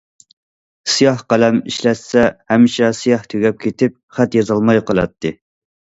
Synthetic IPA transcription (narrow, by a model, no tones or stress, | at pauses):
sɨjɑhqælɛmiʃlɛt̪sɛhɛmːɪʃɛsijɑht̪ʰøɡʲɛp̚kʲʰet̪ʰɪp̚χæt̪jɑzɑlˠmɑjqʰəlˠɑ̰t̪ʰːɨ